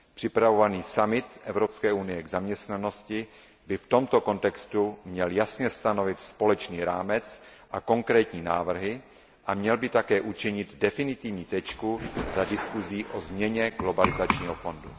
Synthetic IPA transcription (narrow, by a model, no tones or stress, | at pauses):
pr̝̥ɪpɾavovaniːsamɪt̪ʔɛvɾopskɛːʔunɪjɛɡzamɲɛst̪nano̞scɪ | bɪft̪o̞mt̪oko̞nt̪ɛkst̪umɲɛljasɲɛst̪anovɪt̪spo̞lɛt͡ʃniːɾaːmɛt͡s | ʔako̞ŋkɾɛːt̪ɲiːnaːvr̩ɦɪ | ʔamɲɛlbɪt̪akɛːʔut͡ʃɪɲɪd̪dɛfɪnɪt̪ɪvɲiːt̪ɛt͡ʃkuzadɪskuziːʔozmɲɛɲɛɡlo̞balɪzat͡ʃɲiːɦofo̞ndṵ